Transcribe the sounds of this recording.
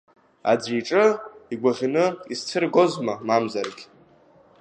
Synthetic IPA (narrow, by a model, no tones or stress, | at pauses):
a̰d͡zʷiʈ͡ʂʼɨiɡʷaʁʲinɨist͡sʰɨrɡozmamamzarɡʲ